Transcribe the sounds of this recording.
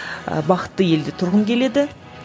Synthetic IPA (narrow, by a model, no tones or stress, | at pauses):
ə̰bɑqə̥t̪ːəje̞ld̪e̞t̪ʰʊɾʁənkʲʰe̞le̞d̪ɪ